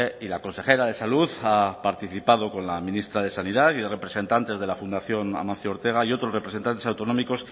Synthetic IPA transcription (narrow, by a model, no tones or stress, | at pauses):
ilako̞nse̞xe̞ɾaðe̞saluðapaɾt̪iθipað̞o̞ko̞nlamĩnist̪ɾað̞e̞saniðaθiðere̞pɾe̞se̞nt̪ant̪e̞zðe̞lafund̪aθjo̞na̰mãn̟θjooɾt̪e̞ɣ̞aio̞t̪ɾo̞srepɾese̞nt̪ant̪e̞sawt̪o̞nõ̞miko̞s